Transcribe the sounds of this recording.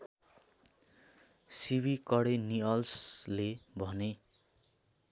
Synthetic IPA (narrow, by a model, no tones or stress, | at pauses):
sibikʌɽeniʌlslebʱʌne